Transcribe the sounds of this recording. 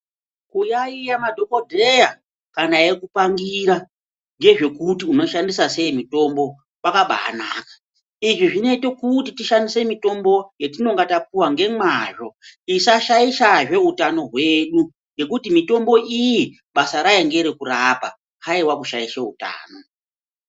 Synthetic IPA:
kujaijamadʱo̞kodʱeja | kanaje̞kupaŋɡiɾa | nd͡ʒe̞ʐe̞kutiuno̞ʃandisase̞imito̞mbo̞ | wakaɓa̰ːnakḁ | iʐiʐine̞to̞kutitiʃandise̞mito̞mbo̞jetino̞ŋɡatap͡fuwaŋɡe̞mwaʐo̞isaʃaiʃaʐe̞ɦutano̞ɦwe̞ɗu | ŋɡe̞kutimito̞mbo̞ʔiji | ɓasaɾajeŋɡe̞ɾekuɾapa | haiwakuʃaiʃeuta̰ːno̞

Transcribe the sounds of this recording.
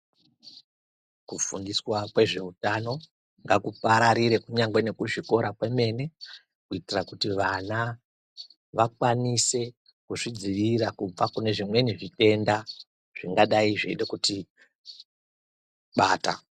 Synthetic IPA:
kufundiswakwe̞ʐe̞utano̞ | ŋɡakupaɾaɾiɾe̞kuɲaŋɡwene̞kuʐiko̞ɾakwe̞me̞ne̞ | kuitirakutiʋana | ʋak̚wanise̞ | kuʐid͡ziʋirakub͡vakune̞ʐimwe̞niʐite̞nda | ʐ̥iŋɡaɗaiʐeɗekuti | ɓaːta̰

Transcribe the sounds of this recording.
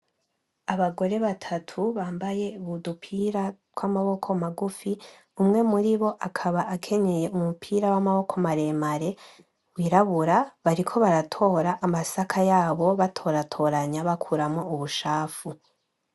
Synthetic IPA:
aβaɡo̞ɾe̞βatʰatʰuβaːmbaje̞uβudupʰiːɾa | wamaβo̞kʰo̞maɡufi | umŋe̞muɾiβo̞ʔakʰaβaʔakʰe̞ɲe̞je̞umupʰiːɾawamaβo̞kʰomaɾe̞ːmaɾe̞ | wiɾaβuɾaβaɾikʰo̞βaɾatʰo̞ːɾaʔːmasakʰajaːβo̞βatʰo̞ɾatʰo̞ːɾaɲaβakʰuɾamouβuʃaːfu

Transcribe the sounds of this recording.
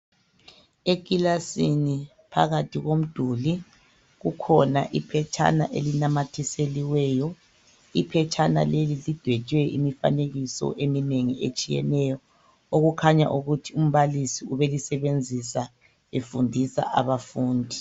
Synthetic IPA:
ek̬ʼilasini | pʰa̰ɣatʰiɣom̩d̥ʱuli | ɣukʰɔnaʔipʰɛt͡ʃʰʼa̰na̰ʔelinamatʰiseliwɛːjɔ | ipʰɛt͡ʃʼʰana̰lelilid̥ʱwɛt͡ʃʼwɛimifa̰neɣisɔ̰ʔemineŋiet͡ʃʼijɛ̰nɛjɔ | oɣukʰaɲa̰ʔuɣutʰium̩βalisiuβelisɛβend͡zʱisa | efundʱisa̰ʔa̰βafuːndʱi

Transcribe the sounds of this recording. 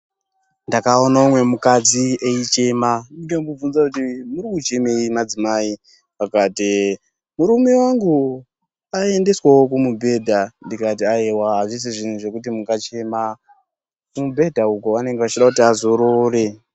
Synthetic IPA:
ndakao̞naumwe̞mukad͡zieit͡ʃe̞maniɡambub͡vunzakutimuɾikut͡ʃe̞me̞imad͡zimai | pakaːti | muɾume̞waŋɡu | ae̞nde̞swawokumubʱe̞dʱandikat̬iaewaɦaʐis̬iʐin̤uʐe̞kutimukat͡ʃe̞ːma | kumubʱe̞dʱaukuane̞ŋɡe̞ʋat͡ʃiɗakutiazo̞ɾoːre̞

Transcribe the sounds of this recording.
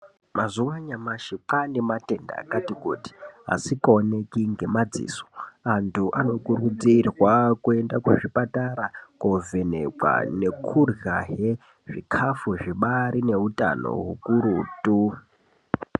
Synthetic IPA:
mazuwaɲamaʃiǃanimate̞nda̰ːkatikuːti̥ɦa̰sikaone̞kiŋɡe̞mad͡zḭːsoantʰuʔano̞kurud͡zirwakue̞ndakuʐipataɾakove̞nḛkwa̰ne̞kʰurjaɦe | ʐ̥ikʰafuʐiɓaɾine̞uta̰no̞̰ɦukuɾutʼu

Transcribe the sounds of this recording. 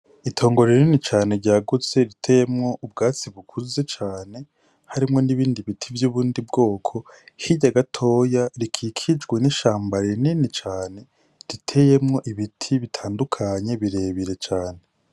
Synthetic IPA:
itʰo̞ːŋɡo̞ɾeninit͡ʃaːne̞ɾɟaːɡut͡se̞ɾitʰe̞je̞mŋo̞ʔub̚ɡaːt͡siβukʰuze̞t͡ʃaːne̞ | haɾimŋo̞niβiːndiβitʰivjuːβuːndibɡo̞ːkʰo̞ | hiɟaɡatʰo̞ːjaɾikʰikʰid͡ʒɡweniʃaːmbaɾininit͡ʃaːne̞ | ɾitʰe̞je̞mŋo̞ʔiβitʰiβitʰaːndukʰaɲe̞βiɾe̞βiɾe̞t͡ʃaːne̞

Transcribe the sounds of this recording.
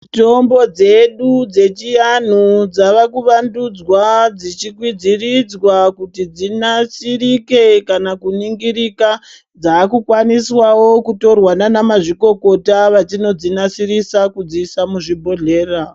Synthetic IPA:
to̞mbo̞d͡ze̞ɗud͡ze̞t͡ʃijan̤ud͡zaʋakuʋandud͡zwad͡zit͡ʃikwid͡zirid͡zwakutid͡zinasirike̞kanakuniŋɡiɾika | d͡zaːkukwaniswawokuto̞rwananamaʐiko̞ko̞taʋat͡ʃino̞d͡zinasirisakud͡ziːsamuʐibʱo̞ɮe̞ːra

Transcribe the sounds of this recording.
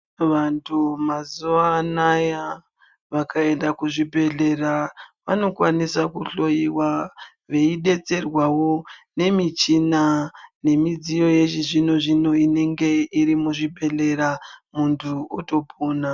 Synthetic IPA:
ʋantʰumazuʋanaja | ʋakʰae̞ndakuʐibʱe̞ɮe̞raʋano̞kwanisakuɬo̞jiwa | ʋe̞iɗe̞t͡se̞rwawo̞ne̞mit͡ʃinane̞mid͡zijo̞je̞ʒiʐino̞ʐino̞ine̞ŋɡe̞iɾimuʐibʱe̞ɮe̞ɾamuntʰuuto̞bʱoːna

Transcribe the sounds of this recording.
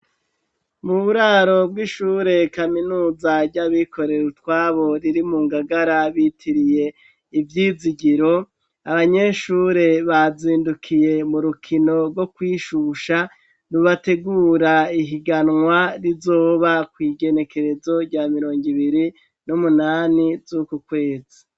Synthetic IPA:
muβuɾaːɾo̞bɡiʃuːɾe̞kaminuːzaɾɟaβikʰo̞ɾe̞ɾutwaːβo̞ɾiɾimuːŋɡaɡaɾaβitʰiɾije̞ | ivjiːziɟiɾo̞ | aβaɲe̞ʃuːɾe̞βaziːndukʰije̞muɾukʰino̞ɾɡo̞kwiːʃuʃa | nuβate̞ɡuːɾaiɦiɡanŋwaɾizo̞ːβakwiːɡe̞ne̞kʰe̞ɾe̞zo̞ɾɟaːmiɾo̞ːŋɡiβiɾi | numunaːnizukukwe̞ːzi̥

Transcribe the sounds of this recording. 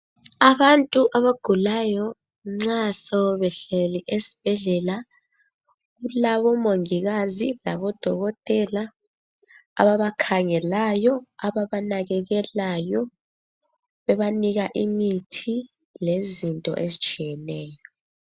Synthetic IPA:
aβantʼuʔaβaɡ̥ʱulajɔ | ŋ͡ǀasɔβɛɬɛliʔesi̥b̥ʱɛɮɛla | ɣulaβɔmoŋiɣazila̰βɔd̥ʱɔɣɔtʼɛla | βaβakʰaŋɛlajɔaβaβanaɣɛɣɛlajɔ | βɛβaniɣaʔimitʰi | lezintʼɔ̰ʔezit͡ʃʼijɛnɛːjɔɔ

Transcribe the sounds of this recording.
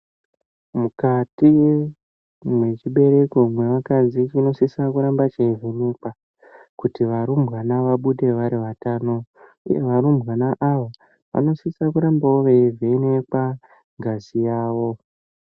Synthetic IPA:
mukati | mwe̞t͡ʃiɓe̞ɾe̞ko̞mwe̞ʋakazit͡ʃino̞sisakuɾambat͡ʃeivʱe̞ne̞kwa | kutiʋaɾumbɣanaʋaɓuɗe̞ʋaɾiʋataːno̞ | ṵje̞ʋaɾumbɣanaʔaʋa | ʋa̰no̞sisakuɾambawoʋeivʱe̞ne̞kwa | ŋɡʱazijaːʋo̞

